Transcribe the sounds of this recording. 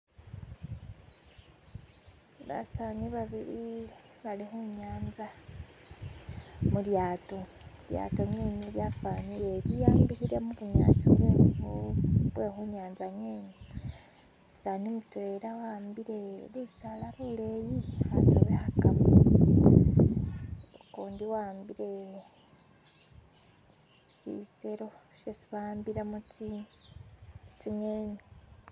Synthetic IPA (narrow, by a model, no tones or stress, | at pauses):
βa̰saniβaβiɾi | βalixuɲaːnza | muljaːtolja̰ːtoɲeːɲiljafaːniɾeɾijaːmbisiɾemukuɲa̰ːsuɾeoβwe̞ːxuɲaːnzaɲeːɲi | saːnumutweːɾawaːmbiɾeliusalaβulejia̰so̰βehakaβu | koːndiwaːmbiɾe | sḭseɾoʃesi̥βaːmbiɾemut͡si | t͡simeːɲi